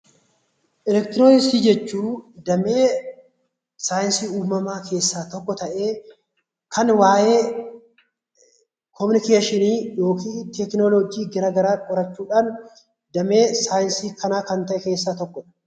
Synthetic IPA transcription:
ʔɛlɛkt̪ɪɾoːnɪsiːd͡ʒɛt͡ʃːuːd̪ɐmeː | saːjɪnsiːuːmɐmaːkʰe̞ːsːaːt̪ɔkːɔt̪ɐʔeː | kʰɐnwaːjeː | kʰɔmɪnɪkeːʃɪniːjo̞ːkiːt̪ɛknɔlɔɡiːɡɪɾaːɡɐɾaːkʼɔɾɐt͡ʃːuːᶑaːn | d̪ɐme̞ːsaːjɪnsiːkʰɐnaːkɐnt̪ɐʔɛke̞ːsːaːt̪ɔkːɔᶑɐ̥

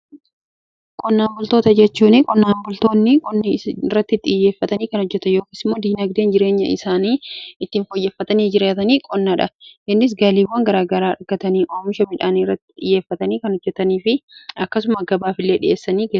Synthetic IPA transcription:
kʼɔnːaːmbʊlt̪o̞ːt̪ɐd͡ʒɛt͡ʃːuːnɪkʼɔnːaːmbʊlt̪o̞ːnːɪkʼɔnːɪrːɐt̪ːɪt̪ːɪje̞ːfːɐt̪ɐniːkɐnhɔd͡ʒːɛt̪ɐjo̞ːkiːsɪmːo̞ːd̪iːnɐɡd̪eːnd͡ʒɪɾe̞ːɲːɐ̰ɪ̰saːniːɪt̪ːɪːnfɔjːɛfːɐt̪ɐniːd͡ʒɪɾeːt̪ɐniːkʼɔnːaᶑɐʔɪnːɪs̬ɡaːliːwːɐŋɡɐɾaːɡɐɾaːɐɡɐt̪ɐniːʔoːmɪʃɐmɪᶑaːnirːɐt̪ːɪ̥ᶑ̪ɪjːe̞ːfːɐt̪ɐniːkɐnɔd͡ʒːɛt̪ɐniːfɪɐkːɐsʊmɐɡɐbaːfɪlːe̞ːᶑɪ̰ʔe̞ːsːɐniːɡe

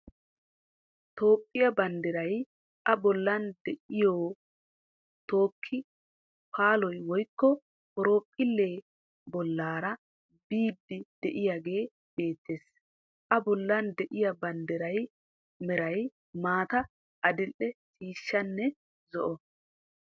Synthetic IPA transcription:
t̪o̞ːpʼːɪjɐbɐnd̪ɪɾɐj | ʔɐbɔlːɐnd̪ɛʔɪjoː | t̪o̞ːkʰːɪ | pʰaːlɔjwɔjkːɔ | kɔɾoːpʼːɪlːe̞ː | bɔlːaːɾɐ | biːd̪ːɪd̪̥ɛʔɪjaɡe̞ː | b̥e̞ːt̪ːeːs | ʔɐbɔlːɐnd̪ɛʔɪjɐbɐnd̪ɪɾɐj | mɛɾɐj | maːt̪ɐ | ʔɐd̪ɪlʔɛsʼiːʃːɐnːɛ | zɔʔɔ

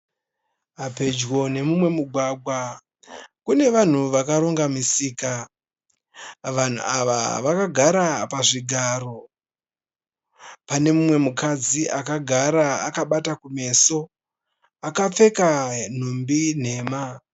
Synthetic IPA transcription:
ape̞d͡ʒwo̞ne̞mumwe̞muɡʱwaɡʱwa | kune̞ʋan̤uʋakaɾo̞ŋɡamisiːka | ʋan̤ṵaʋa̰ʋakaɡʱaɾapaʐiɡʱaːɾo̞ | pane̞mumwe̞mukad͡ziʔakaɡʱaɾaakaɓatakume̞so̞ | akap͡fe̞kan̤umbin̤e̞ːma

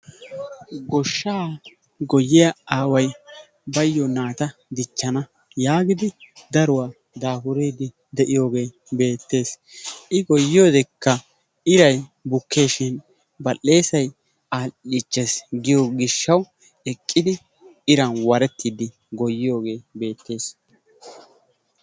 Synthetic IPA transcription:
ɡɔʃːaː | ɡɔjːɪjɐaːwɐj | bɐjːɔnaːt̪ɐd̪ɪt͡ʃːɐnɐ | jaːɡɪd̪ɪd̪ɐɾʊwaː | d̪aːfʊɾeːd̪ɪ | d̪ɛʔɪjo̞ːɡe̞ː | be̞ːt̪ːe̞ːs | ʔɪɡɔjːɪjoːd̪ɛkːɐ | ɪɾɐjbʊkʰːe̞ːʃɪn | bɐlːe̞ːsɐj | aːɪt͡ʃʼːesɡɪjɔɡɪʃːɐw | ɛkʼːɪd̪ɪ | ɪɾɐnwɐɾɛt̪ːɪd̪ɪ | ɡɔjːɪjo̞ːɡe̞ːbe̞ːt̪ːe̞ːs

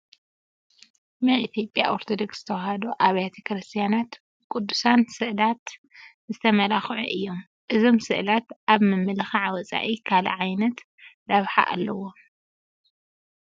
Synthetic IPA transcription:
mɨʔit̪ʰjo̞pʼjaʔoɾt̪ʰod̪oksz̥ɨ̥t̪ʰɐwhad̪uʔaβjat̪ʰɐkɾɨst̪ʰijanat̪ | kʼud̪ːusansɨʔlat̪ | zɨt̪ʰɐmɐlaxʕuʔɨjːo̞m | ʔɨzo̞msɨʔlat̪ʔaβmɨmːɨlɨxaʕwɐt͡sʼa̰ʔikʰalɐ̰ʕajnɐt̪ | d̪ɐβħa̰ʔa̰lːɐwo̞

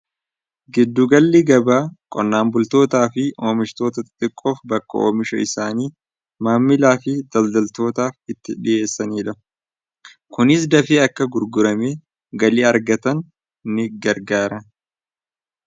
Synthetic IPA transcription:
ɡɪd̪ːʊɡɐlːɪɡɐbaːkʼɔnːaːmbʊlt̪o̞ːt̪aːfɪʔo̞ːmɪʃt̪o̞ːt̪ɐt̪ʼt̪ʼɪkʼːo̞ːfbɐkːɐ̰ʔoːmɪʃɐ̰ɪsaːniː | maːmːɪlaːfɪd̪ɐld̪ɐlt̪o̞ːt̪aːfɪt̪ːɪ̰ᶑɪʔe̞ːsːɐniːᶑɐ | kʊnɪsd̪ɐfiːɐkːɐɡʊɾɡʊɾɐme | ɡɐliːɐɾɡɐt̪ɐn | nɪɡɐɾɡaːɾɐn

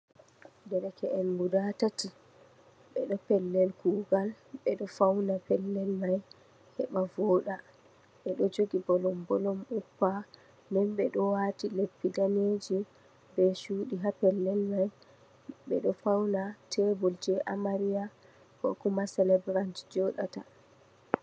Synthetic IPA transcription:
dɛɾɛkɛʔɛnmudatati | ɓɛɗɔpɛlːɛlɡuːɡal | ɓɛɗɔfawnapɛlːɛlmaj | hɛɓavɔːɗa | ɓɛɗɔd͡ʒoɡibɔlɔmbɔlɔmupːa | ndɛnɓɛɗɔwatilepːidaned͡ʒi | bɛʃuːɗiɦapɛlːɛlnaj | ɓɛ̰ɗɔfawnatɛbɔld͡ʒɛʔamaɾija | kɔ̰kumasɛlɛbɾantd͡ʒɔɗa̰ta̰

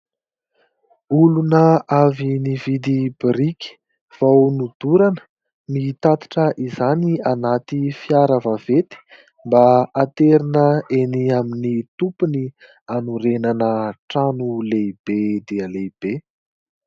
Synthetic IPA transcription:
ulunəavinivid̪ibɾikʲi̥ | v̥awnud̪̥uɾanə̥ | mit̪at̪ḁʈ͡ʂəʔizanianat̪ifiaɾavavet̪i̥ | mbaat̪eɾinəeniaminit̪upuni | anuɾenanəʈ͡ʂanuleib̥ed̪eəleib̥e

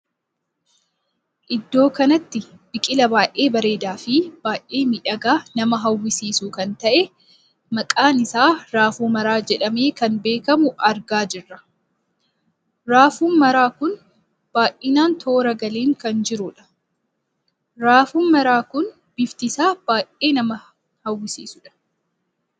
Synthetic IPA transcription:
ʔɪd̪ːo̞ːkɐnɐt̪ːɪ | bɪkʼɪlɐbaːʔe̞ːbɐɾe̞ːd̪aːfɪb̥aːʔeːmɪᶑɐɡaːnɐmɐɦɐwːɪsiːsuːkɐnt̪ɐʔɛ | mɐkʼaːnɪsaːɾaːfuːmɐɾaːd͡ʒɛᶑɐme̞ːkɐnbe̞ːkɐmʊʔɐɾɡaːd͡ʒɪrːɐ | ɾaːfuːnmɐɾaːkʊn | b̥aːʔʔɪnaːnt̪ʰoːɾɐɡɐleːŋkɐnd͡ʒɪɾʊᶑɐ̥ | ɾaːfuːnmɐɾaːkʊn | b̥ɪft̪ɪsaːb̥aːʔeːnɐmɐ | hɐwːɪsḭːsʊᶑɐ̥

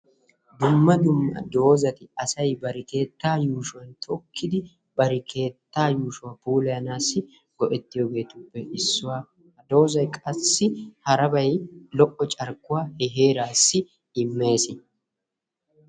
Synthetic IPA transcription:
d̪ʊmːɐd̪ʊmːɐ̰d̪o̞ːzɐt̪ɪɐsɐjbɐɾɪke̞ːt̪ːaːjuːʃʊwɐnt̪ʰɔkʰːɪd̪ɪ | bɐɾɪkʰe̞ːt̪ːaːjuːʃʊwɐpuːlɐjɐnaːsːɪ | ɡ̥ɔʔɛt̪ːɪjoɡe̞ːt̪ʊpːɛʔɪsːʊwaː | ɐd̪o̞ːzɐjkʼɐsːɪhɐɾɐbɐjlɔʔɔt͡ʃʼɐɾkːʊwaːhɛɦe̞ːɾaːsːɪ | ɪmːe̞ːsɪ

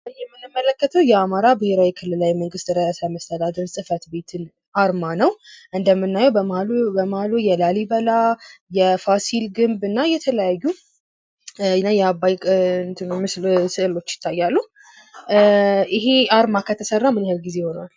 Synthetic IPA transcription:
ɨjɛmːɨnɨmːələkːət̪ʰəwjɛamaɾabɨhe̞ɾawikʰɨlːɨlawiməŋɡɨst̪ɾəasajməst̪ʰəd̪ad̪əɾsʼɨfət̪be̞t̪ʰɨn | ʔaɾmanəwʔɨnd̪əmːɨnːajɛwbəbəmahlujɛlalibəlajɛfasilɡɨmbɨnːajɛt̪ʰələjajːu | nːajɛabajkʼnt̪ʰɨnmɨslsɨʔlo̞t͡ʃːjɪ̥t̪ʰːajːalːu | ʔɪɦeaɾmakʰət̪ʰəsərːamɨnhɨlɡize̞ho̞nal

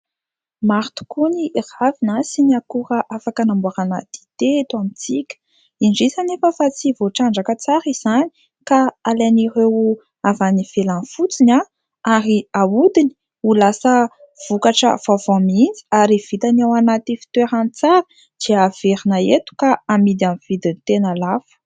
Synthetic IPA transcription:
maɾt̪u̥kuniravinasiniakuɾəʔafakənambuaɾana̰t̪i̥t̪et̪uamit͡sikʲə̥ | inɖ͡ʐisanefəfat͡sivoʈ͡ʂaɳɖ͡ʐakət͡saɾiz̥ani | kaalenirew | avanifelanfut͡sina | aɾiawud̪ini̥ | ulasə | v̥ukaʈ͡ʂə̰v̥avamind͡zi̥aɾiv̥it̪anawanat̪ifi̥t̪eɾant͡saɾə | d̪̥iav̥eɾinaet̪u̥kaamid̪amiv̥id̪init̪enalafə̥

